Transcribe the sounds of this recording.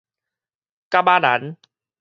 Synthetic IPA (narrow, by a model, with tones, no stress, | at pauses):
ka˦˧baː˧na̰˨˦n